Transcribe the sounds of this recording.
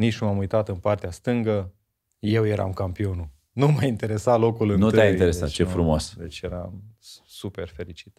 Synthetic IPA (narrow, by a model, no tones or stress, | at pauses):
nit͡ʃnumamujt̪at̪ɨnpart̪east̪ɨŋɡə | je̞wje̞ɾa̰mkampio̞nu | numajint̪e̞ɾe̞salo̞kulɨnut̪ɨaint̪eɾesa̰t̪t͡ʃefɾumoosd̪et͡ʃʲjeɾa̰msupe̞rfe̞ɾit͡ʃi̥t̪